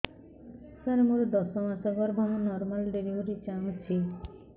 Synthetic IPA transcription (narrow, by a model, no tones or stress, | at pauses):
saɾemuɾɔd̪ɔsɔmasɔɡɔɾbʱɔmunɔɾmalɖeɾiɦuɾit͡ʃaũt͡ʃʰi